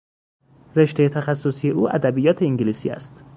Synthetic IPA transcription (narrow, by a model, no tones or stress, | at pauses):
re̞ʃt̪e̞jet̪ʰæxæsːosije̞ʔuːʔæ̰d̪æbijɒːt̪ʰeiŋɟiliːsḭːæ̰st̪